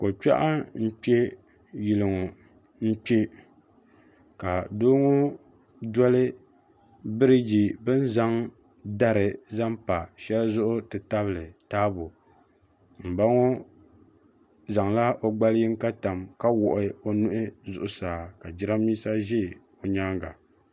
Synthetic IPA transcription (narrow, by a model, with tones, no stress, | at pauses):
ko˨t͡ʃa̰˦ʔa˦n̩˦k͡pe˦ | ji˨lɨ˨ŋo˨ | n̩˦k͡pe˦ | ka˨doː˦ŋo˦ | dɔ˦lɨ˦ | bɨ˦ɾɨ˦d͡ʒi˨bɨ˦n˦za˦ŋ | da˦ɾɨ˨za˦mpa˨ʃɛ˦lzʊ˦ʔʊ˦tɨ˨ta˦βɨ˨lɨ˨taː˦bo˨ | m̩˨ba˦ŋo˦ | za˨ŋla˦ʔo˦ɡ͡ba˦ljɪ˦ŋ˦ka˦ta˨mka˦wɔ˨ʔɪ˨o˦nʊ˦ʔɪ˦zʊ˨ʔʊ˨saː˨ka˨d͡ʒɪ˦ɾa˦miː˦sa˦ʒɪ˦˨ | o˨ɲa˦ŋɡa̰˨